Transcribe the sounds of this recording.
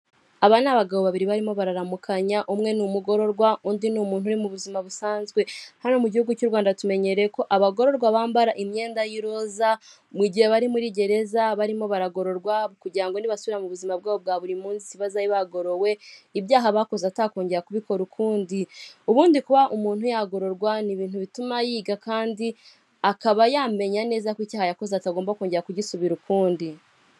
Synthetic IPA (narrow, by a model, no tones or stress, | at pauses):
aβanaβaɡaβoβaβiɾiβaɾimo̞βaɾaɾamukʰaɲaʔumŋe̞numuɡo̞ɾo̞ɾɡwaundinumuːn̥uɾimuβuzimaβusaːnzɡwe̞hano̞muɟihuɡucuɾɡwaːndatume̞ɲe̞ɾeko̞ʔaβaɡo̞ɾo̞ɾɡwaβaːmbaɾaʔimɲe̞ːndajiɾo̞za | mwiɟiheβaɾimuɾiɟe̞ɾe̞zaβaɾimo̞βaɾaɡo̞ɾo̞ɾɡwaβukuɟiɾaŋɡo̞niβasuβiɾamuβuzimab̚ɡaːβob̚ɡaβuɾimuːnzisiβazaiβaɡo̞ɾo̞we̞ibjaːɦaβaːko̞zatako̞ːɲɟe̞ɾakuβiko̞ɾukʰuːndiuβuːndikuβaʔumuːn̥hujaɡo̞ɾo̞ɾɡwaniβiːn̥huβitumajiːɡakaːndi | akaβajaːme̞ɲane̞ːzakwiːcaːhajakozeataɡoːmbakoːɲɟeakuɟisuβiɾukuːndi